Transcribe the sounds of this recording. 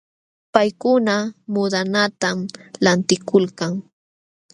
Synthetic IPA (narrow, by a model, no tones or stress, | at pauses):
pajkʊnamʊd̪anat̪amlant̪ɪkʊlkaŋ